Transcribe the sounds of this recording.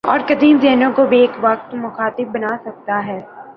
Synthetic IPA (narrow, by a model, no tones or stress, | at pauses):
ɔ̰ːɾkɐd̪inzeːnõkobʱieːkʋɐk̚t̪mʊxaːt̪ɪbbɐnaːsɐk̚t̪aɦɛː